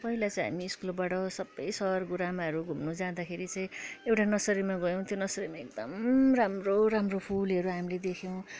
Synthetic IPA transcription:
pʌɦilat͡saĩɦa̰miːskulbaʈʌsʌbːʌjsʌrɡuɾamaɦʌɾuɡʱumnud͡zãd̪akʰeɾit͡saĩewʈanʌsʌɾimaɡʌjõw̃t̪jonʌsʌɾimaek̚d̪ʌmramroɾamropʰulʌɾuɦamiled̪ekʰjow̃

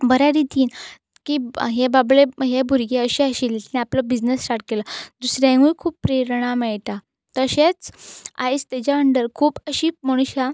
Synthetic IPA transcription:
bəɾaɾit̪ʰiːn | kiɦebabɭeɦebʱuɾɡeəɕiaɕilet̪enĩaplɔbid͡znesʈaʈkelad̪usɾjãŋɡujkʰuːpːpɾeɾɽ̃amɛɭʈ̪a | t̪əɕet͡sa̰jt͡st̪ed͡ʑaəɳɖəɾkʰuːpəɕiməɽ̃ũɕa

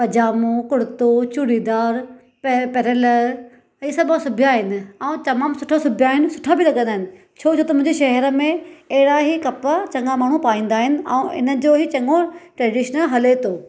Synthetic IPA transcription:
pɐd͡ʑaːmõkʊɽɪt̪ot͡ɕuɽid̪aːɾ | ppɛɾələ | ĩːsɐbʱasʊbʱjaːɦɪnɪ̆ãːũt̪ɐmaːmsʊʈʰasʊbʱjaːɦɪnɪ̆sʊ̥ʈʰabɪlɐɡə̃nd̪aːɦɪnɪ̆ | t͡ɕʰot͡ɕʰot̪ɐmʊ̃ɦd͡ʑeʃɐɦɛɾəmẽɐɦɪɽaɦikɐpat͡ɕɐ̃ŋɡamaːɳ̤̃ũpaːĩːn̆d̪aːɦɪnɪ̆ã̰ũʔɪ̰nə̆d͡ʑoːɦit͡ɕɐ̃ŋɡoʈɾɛːɖiːʃnəlɦɐlet̪oː

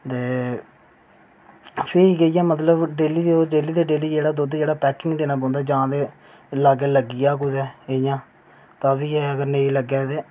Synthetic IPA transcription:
t̪eː | pʰeiːɡɛijãːmət̪ləbɖeːliːd̪eːoːd͡ʒeːliːd̪eːɖeːliːd͡ʒeːɽaːd̪oːd̪eːd͡ʒeːɽaːpɛːkɪ̃ŋɡd̪eːnaːpɔ̃ːnd̪aːd͡ʒãːd̪eː | ɪlaːɡeːləɡijaːk̬ʊd͡ʒ̪ɛːeːjãː | t̪ãːbiːeːəɡəɾnẽĩːləɡɛːd̪eː

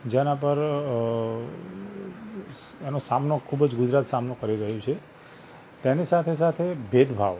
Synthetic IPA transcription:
d͡ʒenãp̬əɾ | enosamnokʰubəd͡ʒɡʊd͡ʒɾat̪samnokəɾiɾəɦjũt͡ʃʰe | t̪enisat̪ʰes̬at̪ʰebʱed̪bʱa̰ʋ

